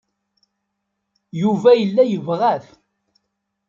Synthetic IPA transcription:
juvæjəlːæjəvʁæθ

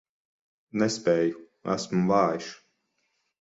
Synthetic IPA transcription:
nɛspʲɛːju | æ̰smuvaːjiʃ

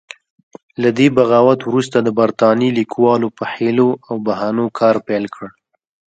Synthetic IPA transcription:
lad̪ebaɣɑwat̪wɾust̪ad̪əbaɾt̪ɑnilikʰwɑlopəheloʔawbaɦɑnokʰɑɾpɛlkʰəɽ

